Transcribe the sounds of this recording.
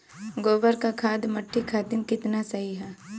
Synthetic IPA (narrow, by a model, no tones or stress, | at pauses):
ɡoːbəɾkakʰaːd̪mɐʈʰːikʰaːt̪ɪmkɪt̪nasɐɦiɦɛː